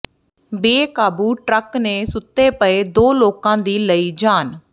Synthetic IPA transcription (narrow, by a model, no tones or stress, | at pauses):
beːkaːbuːʈɾəkneːsʊt̪ːeːpəeːd̪oːloːkãːd̪iːləiːd͡ʒaːn